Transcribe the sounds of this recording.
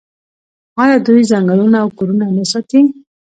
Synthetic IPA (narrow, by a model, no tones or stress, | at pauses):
ɑjɑd̪ujzaŋɡəɭunaːwkoɾunanasɑt̪i